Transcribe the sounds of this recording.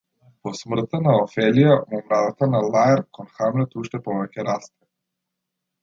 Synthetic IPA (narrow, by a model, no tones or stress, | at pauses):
pɔsmr̩t̪anaɔfɛlijamɔmɾad̪at̪analˠajɛɾkɔnxamlɔt̪uʃt̪ɛpɔvɛcɛɾast̪ɛ̥